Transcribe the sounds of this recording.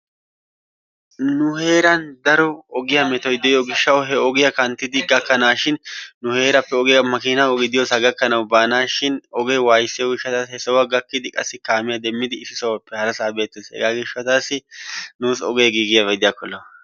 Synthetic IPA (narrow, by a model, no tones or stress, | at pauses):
nʊhe̞ːɾɐnd̪ɐɾɔɔɡɪjɐmɛt̪ɔjd̪ɛjɔɡɪʃːɐwɦɛɔɡɪjɐkɐnt̪ːɪd̪ɪɡɐkːɐnaːʃɪnːʊhe̞ːɾɐpːɛɔɡɪjɐmɐkɪnɐwɔɡɪd̪ɪjosɐɡɐkːɐnɐwbaːnaːʃɪnɔɡejwaːjsːɪjɔɡɪʃːɐt̪aːshɛsɐwɐɡɐkːɪd̪ɪkʼɐsːɪkaːmɪjɐd̪ɛmːɪd̪ɪːsːɪsɐwɐpːɛhɐɾɐsaːbe̞ːt̪ːɛshɛ̰ɡaːɡɪʃɐt̪aːsːɪnuːsɔɡejɡiːɡɪjɐvɛd̪ɪjakːɔlːɐ